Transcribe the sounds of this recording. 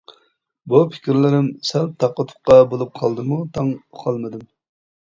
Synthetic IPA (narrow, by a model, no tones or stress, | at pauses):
bupʰɪ̥kʲɾlɪɾɪmsæl̚t̪ʰɑqːət̪ʰʊ̥qqːɑbolˠup̚qʰɑlˠd̪ɨmut̪ʰɑŋqʰɑlˠmɨd̪ɪm